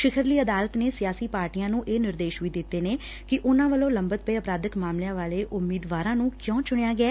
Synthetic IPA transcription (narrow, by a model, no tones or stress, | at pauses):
ʃɪkʰəɾliːəd̪aːlət̪neːsɪjaːsiːpaːɾʈiːãːnũːʔeːnɪɾd̪eːʃʋiːd̪ɪt̪ːeːneː | kɪʔʊnãːʋəlõːləmbət̪̚peːəpɾaːd̪əkmaːmlejãːʋaːleːʔʊmːiːd̪ʋaːɾãːnũːkjõːt͡ʃʊɽ̃eːaːɡɪɛː